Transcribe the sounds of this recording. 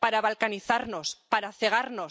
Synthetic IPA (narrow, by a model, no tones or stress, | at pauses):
paɾaβalkaniθaɾno̞spaɾaθe̞ɣ̞aɾno